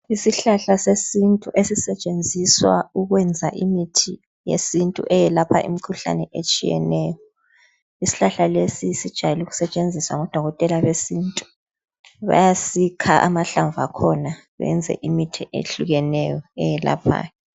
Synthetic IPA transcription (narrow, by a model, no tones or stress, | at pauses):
isiɬaɬasesintʼuʔesisɛt͡ʃʼend͡zʱiswa̰uɣwɛnd͡zʱaʔimitʰi | jḛsintʼṵʔɛjɛlapʰa̰ʔḭmikʰuɬa̰nɛʔet͡ʃʼijɛ̰nɛːjɔ | isi̥ɬaɬalesisid̥ʒ̥ʱajɛluɣu̥sɛt͡ʃʼend͡zʱiswaŋɔd̥ʱɔɣɔtʼɛlaβesintʼu̥ | βa̰jasikʰaʔamaɬaɱva̰kʰɔna | βɛ̰nd͡zʱɛ̰ʔimitʰiʔḛɬuɣɛnɛjɔɛjɛla̰pʰa̰ːjɛ